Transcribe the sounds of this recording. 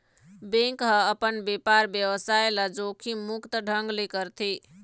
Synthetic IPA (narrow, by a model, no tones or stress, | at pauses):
bẽŋkɦəəpənbepaɾbjəwəsaelad͡ʒokʰimukt̪əɖʱəŋɡlikəɾt̪ʰi